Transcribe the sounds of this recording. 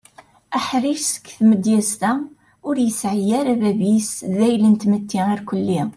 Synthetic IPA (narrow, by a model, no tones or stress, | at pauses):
æħɾiʃsə̥kːθməd̪jæst̪æ | ʊɾjəsʕijæɾæbæbisðæjlənt̪mət̪ʰːiiɾkəlːi